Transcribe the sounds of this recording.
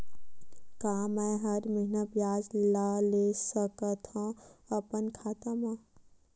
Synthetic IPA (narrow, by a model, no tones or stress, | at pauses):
kaːmɛ̃ɦɐɾmiɦnəbjaːzilaːleːsəkət̪ʰɔ̃ɐpənkʰaːt̪amã